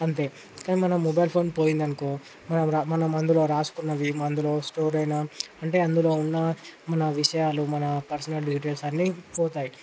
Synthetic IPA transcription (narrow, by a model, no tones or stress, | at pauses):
ɐnt̪e̞ː | kaːniːmɐnɐmːɔbɐjlpʰo̞ːnpoːjind̪ɐnukoː | mɐnɐmɾamɐnɐmɐnd̪ulo̞ːɾaːsu̥kunːɐʋimɐnd̪ulo̞ːsʈoːɾɐjnaːɐɳʈe̞ːɐnd̪ulo̞ːunːɐmɐnɐʋiʂɐjaːlumɐnɐpɐɾsɐnɐlɖiːʈ̬eːlsɐnːipoːt̪aːji